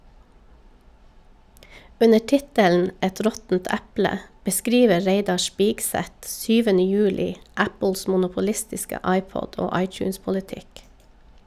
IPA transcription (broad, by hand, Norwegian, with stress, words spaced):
ˈʉnə ˈʈɪtəln̩ ˈɛt ˈɾɔtn̩t ˈɛplə bəˈskɾiːʋə ˈɹeɪdɑ ˈspiːkˌsɛt ˈsyːʋənə ˈjʉːlɪ ˈæpəls mʊnʊpʊˈlɪstɪskə ˈɑɪˌpɔd ˈoː ˈɑɪˌtjʉːspɔlɪˌtɪk